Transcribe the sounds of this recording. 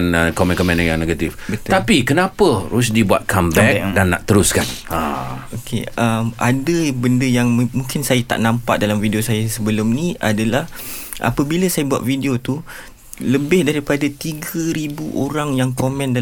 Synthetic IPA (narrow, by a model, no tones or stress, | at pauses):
nkomɛ̃nkɔmɛ̃njajaŋneɡat̪ifbət̪t̪apikənãpəɾusdibuat̪̚kʰambɛk̚danːa̰ʔt̪əɾʊskanaokʰḛəmʔa̰dəbəndəjaŋmũŋkɪnsajat̪a̰ʔnãmpa̰ʔdalamvidiosajasəbəlʊmnĩa̰dalah | ʔa̰pəbilasajabua̰t̪̚fidiot̪u | ləbɪhdaɾipadat̪iɡəɾibuʔoɾaŋjaŋkomɛ̃nda